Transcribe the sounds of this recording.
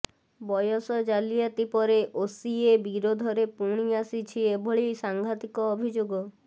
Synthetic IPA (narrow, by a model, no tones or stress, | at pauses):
bɔjɔsɔd͡ʒalijat̪ipɔɾeʔosiebiɾod̪ʱɔɾepuɽ̃iasit͡ʃʰiebʱɔɭejsaŋɡʱat̪ikɔːbʱid͡ʒoɡɔ